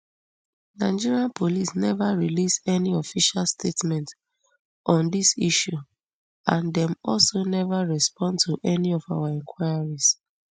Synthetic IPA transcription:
naɪd͡ʒiɹiãnpʰolisnɛvaɹilisɛniɔfiʃalstʰetmɛ̃nt | ɔ̃ndisiʃu | ãndɛ̃mɔlsonɛvaɹɛspɔ̃ndtʰuʔɛniɔfa̰ʊaɛ̃ŋkʰwaɪjaɹis

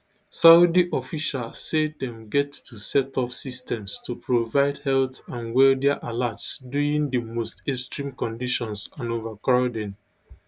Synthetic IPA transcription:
saʊdiʔɔfiʃalsedɛ̃mɡɛtːusɛtʰɔfsistɛ̃mstupɹovaɪdhɛlθãnwɛldɛaʔalatsduĩŋdəmostestɹĩmkɔ̃ndiʃɔ̃nsãnovakɹaʊdɛ̃n

